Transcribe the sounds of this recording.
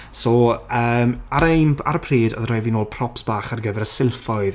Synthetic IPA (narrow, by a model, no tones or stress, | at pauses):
sɔːəːmaɾejmaɾpʰreːdɔðrajvinoːlˠpʰrɔpsb̥aːχarɡəvɛɾəsɪlˠfɔɨð